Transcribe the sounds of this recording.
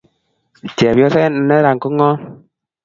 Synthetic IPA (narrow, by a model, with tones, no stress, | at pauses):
t͡ʃɛ˨pjɔ˧˦sɛ˦n˦nɛ˦ɾa˨ŋko˦ŋɔ˦n